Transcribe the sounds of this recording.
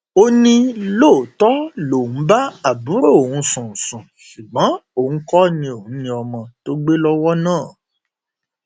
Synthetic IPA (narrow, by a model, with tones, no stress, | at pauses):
o˦nĩ˦loː˦˨tɔ˦lo˨ũ˨˦ba˦a˨bu˨˦ɾo˦˨ũ˨˦sũ˨sũ˨ʃu˨ɡ͡bɔ̃˨˦õ˦˨˦kɔ˦nĩ˧o˨ũ˨˦nĩ˧ɔ˧mɔ̃˧to˦ɡ͡be˦lɔ˦wɔ˦nãː˦˨